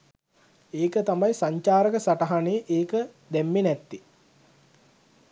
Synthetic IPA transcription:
eːkət̪amajsaɲt͡ʃaːɾəkəsaʈaɦaneʔeːkə | d̪æmːenɛt̪ːi

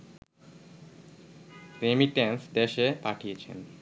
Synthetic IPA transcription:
ɾemiʈensd̪eʃepaʈʰijet͡ɕʰḛn

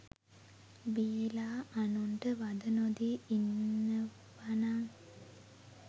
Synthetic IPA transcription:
bijlaːanuɳʈəʋad̪ənod̪iːnːə | ʋanaŋ

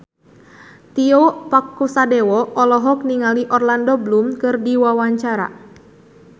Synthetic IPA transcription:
t̪iɔpakːusadɛwɔɔlɔɦɔk̚niŋaliʔɔrlandɔblumkɨrdiwawaɲt͡ʃaɾa̰

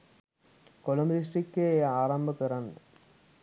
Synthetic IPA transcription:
kolɐmlis̬ʈikːeaːɾɐmbɐkiɾɐn

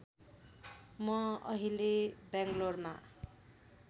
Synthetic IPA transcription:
mʌʌ̰ɦilebjaŋɡlorma̰

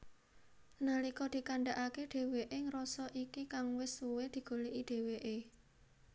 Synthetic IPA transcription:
nalikɔd̪̥i̤kaɳɖaʔakeɖ̪̥e̤weʔeŋɾɔsɔʔikikaŋwɪsuwed̪̥i̤ɡ̥o̤leʔiɖ̪̥e̤weʔe

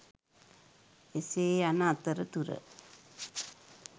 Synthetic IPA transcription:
eseːanaːt̪ːɐɾɐt̪uɾɐ̰

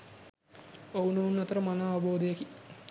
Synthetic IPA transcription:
owunounːɐt̪əɾəmanaːʋɐboːd̪ejəki

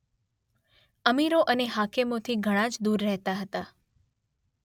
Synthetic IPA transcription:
əmiɾoʔəneɦakemot̪ʰiɡʱəɽ̃ãd͡ʒd̪uɾːɛɦt̪aɦət̪a

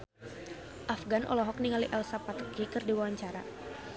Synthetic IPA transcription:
ʔafɡanʔɔ̰lɔɦɔk̚niŋaliʔɛlsapat̪kikɨrdiwawaɲt͡ʃaɾa̰

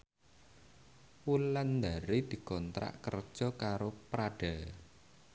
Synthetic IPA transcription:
wuland̪a̤ɾid̪̥i̤kɔnt̪ɾa̰ʔkərd̥ʒ̥ɔ̤kaɾopɾaɖ̥a

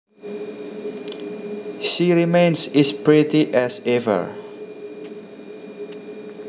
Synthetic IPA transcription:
ʃiɹimẽnsɛspɹitiʔɛsɛvə̰ɹ

